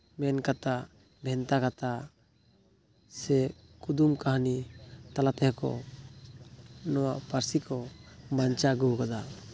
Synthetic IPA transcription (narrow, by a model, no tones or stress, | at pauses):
mɛnkat̪a | bʱɛnt̪akat̪a | sɛ | kud̪umkaɦnit̪alat̪ɛɦkɔ̰ | nɔwaʔpaɾsikɔbant͡ʃaɡukad̪a